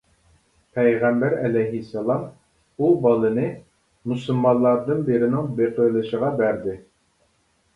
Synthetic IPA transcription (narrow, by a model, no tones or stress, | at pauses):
pʰɛjʁæmbæɾɛlɛjɦisːɛlˠɑm | ubɑlˠɨnɨ | musɨlˠmɑlˠːɑɾd̪ɨnbeɾɪnɪŋbeqʰəjlˠɨʃəʁɑbæɾd̪ɪ